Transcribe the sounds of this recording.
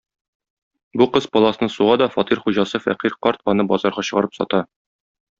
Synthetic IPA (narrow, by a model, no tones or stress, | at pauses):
buqɤzpɒlˠɑsɤ̆nɤsuʁɑd̪ɒfɒt̪iɾχuʑɑsɤfæ̰qiɾqɒɾt̪ɒnɤbɒzɑɾʁɑɕɤ̆ʁɑɾɤpsɒ̰t̪ɑ